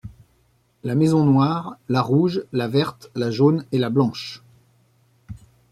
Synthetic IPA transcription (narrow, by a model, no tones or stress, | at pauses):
lamɛzɔ̃nwaʁlaʁuʒlavɛʁt̪laʒonelablɑ̃ʃ